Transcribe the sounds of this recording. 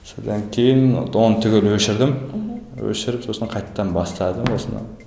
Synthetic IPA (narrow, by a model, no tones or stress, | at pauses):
sod̪ɑŋkʲʰejɪn̰d̪ont̪ʰʏɡʲelwɵʃɪɾd̪ɪmwɵ̰ʃɪɾɪpsosənqʰɑjt̪ʰɑ̥d̪ɑnbɑst̪ɑd̪əmwosənə̰